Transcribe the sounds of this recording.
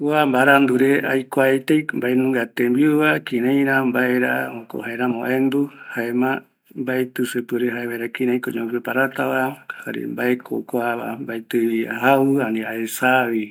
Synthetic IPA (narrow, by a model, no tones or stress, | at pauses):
wambaɾand̪uɾeʔa̰jkʷaet̪ejmbaenũŋɡat̪embiuβakĩɾẽjɾãmbaeɾa̰oko̰haeɾamõʔẽnd̪uhaemã | mbaet̪ɨsepɨɾeɦaeβajɾakĩɾẽj̃koɲõpepaɾat̪aβaha̰ɾḛmbaekʰo̰kʷaβambajt̪ɨβiaɦawɨanĩaesaβi